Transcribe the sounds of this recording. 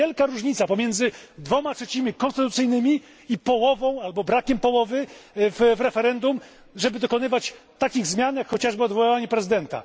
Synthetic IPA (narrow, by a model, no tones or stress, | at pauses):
ɛlkaɾuʐɲit̪sapɔmʲjɛnd̪zɘd̪vɔmatʂɛt͡ɕimʲikɔñst̪ɘt̪ut̪sɘjnɘmʲi | ipɔwɔvɔ̃w̃albɔbɾakʲɛmpɔwɔvɘvvɾɛfɛɾɛnd̪um | ʐɛbɘd̪ɔkɔn̪ɘvat͡ɕt̪akʲiɣzmʲjanjakxɔt͡ɕaʐbɘɔd̪vɔwavaɲɛpɾɛzɘd̪ɛnt̪a̰